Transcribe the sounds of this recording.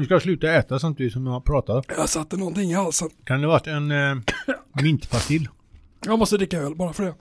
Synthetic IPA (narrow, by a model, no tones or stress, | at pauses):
nɪskaslʉːt̪aɛːt̪asamt̪ɪvɪsɔmd̪ʊaɾpʰɾɑːt̪ad̪jasat̪ːɛnɔnt̪ɪŋːalsɔkʰand̪ɛvaʈːɛn | mɪnt̪pʰat̪ɪlː | jamɔst̪əd̪ɾɪkːaɛlbɑːɾafœɖɛ